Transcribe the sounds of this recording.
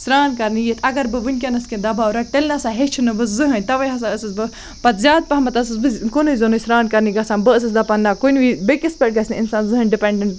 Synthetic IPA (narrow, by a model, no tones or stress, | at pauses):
sɾaːnkɐɾnijet̪ʰɐɡɐɾbɨʋɨnʲk̬ʲɐnɐsked̪ɐbaːwɾɐʈelʲnɐsaːɦet͡ʃʰunɨbɨzɨɦɐnʲt̪ɐʋɐjɦɐsaɐsɨsbɨ | pɐt̪zʲaːd̪̚pɐɦɐmɐt̪ɐsɨsbɨkonɨizonoisɾaːnkɐɾniɡɐsaːnbɨɐs̬ɨsd̪ɐpanːakonʋibekispʲeʈ̚ɡɐsʲniinsaːnzɨɦɨnʲɖipeɳɖeɳʈ